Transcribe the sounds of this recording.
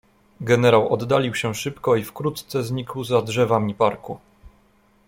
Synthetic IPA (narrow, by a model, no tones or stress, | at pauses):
ɡɛnɛɾawɔd̪ːalʲiwɕɛʂɘpkɔifkɾut̪t̪sɛzɲikwzadʐɛvamʲipaɾku